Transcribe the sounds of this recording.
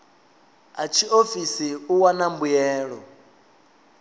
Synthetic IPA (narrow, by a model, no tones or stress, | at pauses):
at͡ʃʰiofisiuwanambujɛːɺɔ